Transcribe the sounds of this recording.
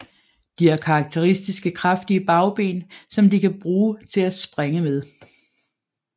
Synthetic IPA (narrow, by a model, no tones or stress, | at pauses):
d̥iæɐkʰɑ̈ːɡ̥̚t͡sʰe̝ʁisd̥isɡ̥əkʰʁɑfd̥iəb̥ɑ̈ʊb̥e̝̰ːnsɒ̽md̥ikʰæb̥ʁuːt͡sʰe̝læsb̥ʁeŋəmeðˠ